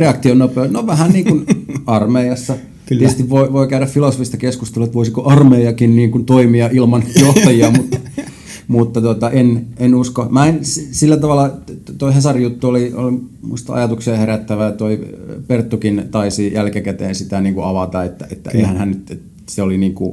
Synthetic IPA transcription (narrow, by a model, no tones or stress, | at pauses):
reɑkt̪ionopeonoʋæhænniːŋkunɑrmeiɑsːɑ | tit̪est̪iʋʋoiʋoikæyɾæffilosofist̪ɑkeskust̪eluet̪ʋoisikoʔɑrmeiɑkinniːŋkunt̪oimiɑʔilmɑnjoht̪ɑjiɑmut̪ːɑ | mut̪ːɑt̪ot̪ɑʔenenuskomæenssilːæt̪ɑʋɑlːˑɑt̪oihesɑrijut̪ːuolio̰limṵist̪ɑ̰ɑ̰jɑt̪uksiɑheɾæt̪ːæʋæt̪oipert̪ːukint̪ɑisijælkækæt̪ḛːnsit̪æniːŋkuɑʋɑt̪ɑet̪ːæ̰ʔet̪ːæ̰ḛihænhænnyt̪et̪ | seoliniːŋkṵ